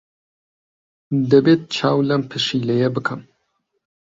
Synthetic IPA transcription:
d̪ɐbet̪̚t͡ʃʰaːwlɐmpʰɨʃilɐjɛbɨkʰɐm

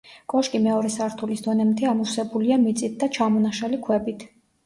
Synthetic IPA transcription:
kʼɔʃkʼimɛɔɾɛsaɾt̪ʰulisd̪ɔnɛmt̪ʰɛamusɛbuliamit̪sʼit̪̚d̪at͡ʃʰamɔnaʃalikʰwɛbit̪ʰ

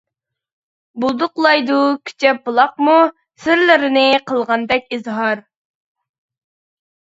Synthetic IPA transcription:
bulˠd̪ʊqlˠɑjd̪ukʲʰy̥t͡ʃʰɛpːulˠɑq̚mu | sɪɾlɪɾɪnɪqəlˠʁɑnd̪ɛk̚ʲizɦɑɾ

